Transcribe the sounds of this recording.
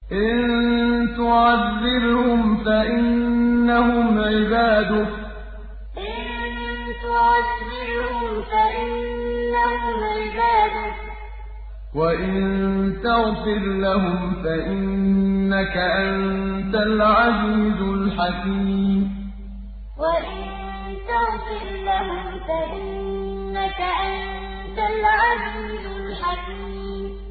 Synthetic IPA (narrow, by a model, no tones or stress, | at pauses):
ʔɪnt̪ʊʕaðːɪɾhhʊmfaʔɪnːahʊmʕɪbaːd̪ʊ | ʔʔʔɪnt̪ʊʕadːɪɾhhʊmfaʔɪnːahʊmʕɪbaːd̪ʊ | waʔɪnnt̪aɣfɪɾlaɦʊmfaʔɪnnːakaʔant̪alʕaziiːzʊlħakiːmm | waʔɪn | t̪aɣfɪɾlaɦʊmfaʔɪnːakaʔan | t̪alʕaziːzʊlħakiː | m